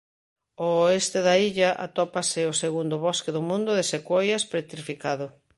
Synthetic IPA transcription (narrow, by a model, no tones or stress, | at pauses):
oest̪eðaiʎaʔa̰t̪ɔpasɪoseɣund̪ʊβɔskeðʊmũnd̪ʊðesekwojaspɾet̪ɾifikaðʊ